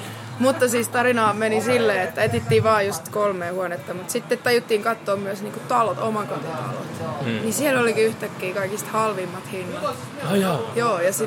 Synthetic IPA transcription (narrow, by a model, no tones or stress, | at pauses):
mut̪ːɑsiːst̪ɑrinɑːmenisilːeːet̪ːæet̪it̪ːiːʋɑːjust̪kolmeːhuonet̪ːɑmut̪sit̪ːet̪t̪ːɑjut̪ːiːŋkɑtt̪ːoːmmyæsniːŋkut̪ɑlot̪o̰mɑkot̪it̪ɑ̰lo̰t̪nisielolikiyht̪ækːiːkɑikist̪hɑlʋimːɑt̪hinːɑt̪ː | joːjɑsi